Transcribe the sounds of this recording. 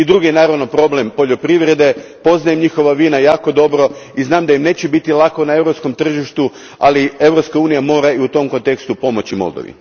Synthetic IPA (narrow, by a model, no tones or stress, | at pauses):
id̪ɾuɡienaːɾaʋnopɾo̞ble̞mpo̞ʎo̞pɾiʋɾe̞d̪e̞po̞znajemɲixo̞ʋaʋiːnajaːko̞d̪o̞bɾo̞iznaːmd̪ajimne̞ːt͡ɕebit̪ilˠakonae̞ʋɾopsko̞mt̪r̩ʒiʃt̪u | a̰lie̞ʋɾopskauːnijamo̞ːɾaiut̪o̞mko̞nt̪e̞kst̪upo̞mo̞t͡ɕimo̰lˠd̪o̰ʋḭ